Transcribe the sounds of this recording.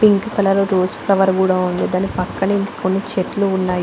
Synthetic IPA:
piŋkkɐlɐloːɾoːspʰlɐʋɐɾkuːɽaːund̪id̪aːnpɐkːɐɳɐink̪ɐ̥konːit͡ʃeʈluːnːaːj

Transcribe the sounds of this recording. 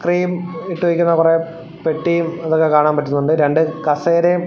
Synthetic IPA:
kriːmiʈːuʋikʲːunːɐkure̞ | peʈːijumɐðokːe̞kaːɳaːmpɐtːunːuɳɖɨɾe̞ɳɖɨkɐseːɾe

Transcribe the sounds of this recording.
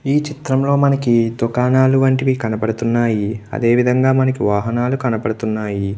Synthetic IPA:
iːt͡ʃit̪ɾɐmlo̞ːmɐnɐkid̪ukaːnaːluʋɐɳʈiʋikɐnɐpɐɽut̪unːaːjiɐ̰d̪e̞ːʋid̪ʱɐŋɡaːmɐnɐkiʋaːɦɐnaːlukɐnɐpɐɽut̪unːaːji

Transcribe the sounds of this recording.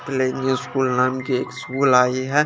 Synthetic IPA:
plenuskuːlnaːmkieːkskuːlaːiɦɛ

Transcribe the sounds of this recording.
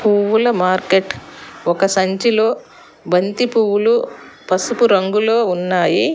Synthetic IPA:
puːwulɐmaːɾkeʈɔkɐsɐɲt͡ʃilo̞ː | bɐnt̪ipuwulu | pɐsupuɾɐŋɡulo̞ːunːaːji

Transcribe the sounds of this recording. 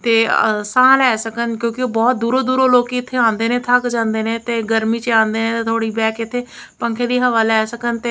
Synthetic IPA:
t̪eːsãːlɛːsəkənkjõːkɪoːbɔːt̪̚d̪uːɾoːd̪uːɾoːloːkɪt̪ʰːeːãːnd̪eːnẽːt̪ʰəkd͡ʒãːnd̪eːnẽːt̪eːɡəɾmiːt͡ʃeãːnd̪eːneːt̪eːt̪ʰoːɽiːbɛːkɪt̪ʰːeː | pəŋkʰeːd̪iːɦəʋaːlɛːsəkənt̪eː

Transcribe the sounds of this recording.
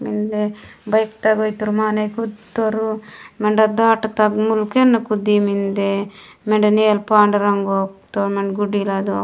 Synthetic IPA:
mind̪ebɐjkt̪ɐɡojt̪uɾumaːnɐjkut̪oɾumeɳɖɐd̪aːʈɐt̪ɐɡmulkenːɐkud̪imind̪e | meɳɖɐneːlpaːɳɖɐɾɐŋɡoːkt̪omeɳɖɡuɖilad̪u

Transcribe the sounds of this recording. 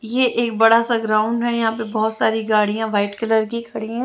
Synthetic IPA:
jeʔeːk̚bɐɽasaɡɾaːʊ̃ɳɖɦɛjɐɦãːpebɔːt̪saːɾiɡaːɽijãʋaːɪʈkɐləɾɡikʰɐɽĩɛ̃

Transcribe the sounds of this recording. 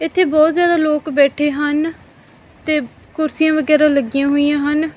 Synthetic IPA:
ɪt̪ʰːeːbɔːt̪zjaːd̪aːloːkbɛːʈʰeːɦən | t̪eː | kʊɾsijãːʋəɡɛːɾãːləɡɪjãːɦoːijãːɦən

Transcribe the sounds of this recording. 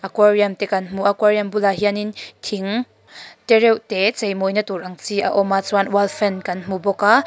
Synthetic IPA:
ʔakwariɐmt̪ɛkɐnm̥uʔakwaɾiɐmbulaɦianint̪ʰiŋ | t̪ɛɾɛwt̪ɛt͡sejmɔjnɐt̪urʔɐŋt͡siʔaʔɔmat͡swanwalfɛnkɐnm̥ubɔkaː

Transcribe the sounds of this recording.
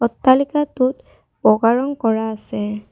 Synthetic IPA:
ɔtːalikatʊt | bɔɡaɹɔŋkɔɹaːsɛ

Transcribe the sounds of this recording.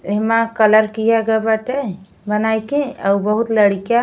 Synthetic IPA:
eɦmakələɾkijaɡəbaʈe | bənajkẽəubəɦut̪ləɽikja

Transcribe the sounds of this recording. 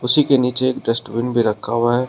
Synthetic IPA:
ʊsikeniːt͡ʃeeːk̚ɖəsʈwɪnbʱiɾɐkʰːaːwaɦɛː

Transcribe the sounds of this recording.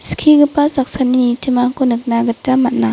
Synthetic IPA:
skʰiɡɯpasak̚sanitʰimaŋkonɯk̚naɡɯtːamat̚na

